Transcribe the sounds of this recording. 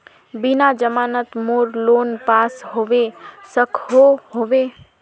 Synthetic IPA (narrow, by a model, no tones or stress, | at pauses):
bɪnad͡ʒəmaːnət̪moːɾloːnpaːsɦoʋesəkʰɦoɦoʋe